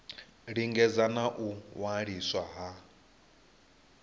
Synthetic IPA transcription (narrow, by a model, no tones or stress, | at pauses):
ɺiŋɡɛd͡zanaʔuwaɺiswaɦa